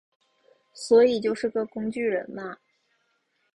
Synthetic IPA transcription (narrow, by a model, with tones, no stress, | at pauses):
swɔ˧˥i˨˩t͡ɕjo˥˧ʊʂɻ̩˥˩ɡə˧˩kʊ˥ŋt͡ɕy˥˩ɻə̰˧˥nmɐ˧